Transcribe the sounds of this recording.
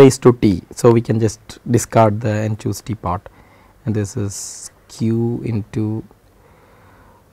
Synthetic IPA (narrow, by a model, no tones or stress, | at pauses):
esʈuʈiːsoːʋiːkɛ̃nd͡ʒɐsʈɖɪskaɾɖ̚d̪əẽnt͡ʃuːsʈipaːɾʈ | ɛ̃nɖd̪ɪsɪz | kʰjuːɪ̰̃nʈu